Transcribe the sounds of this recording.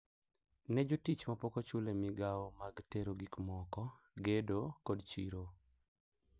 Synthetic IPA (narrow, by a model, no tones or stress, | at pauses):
nɛd͡ʒotit͡ʃmapokot͡ʃulemɪɡaɔmaɡteɾoɡikmɔkɔ | ɡedokodt͡ʃḭɾo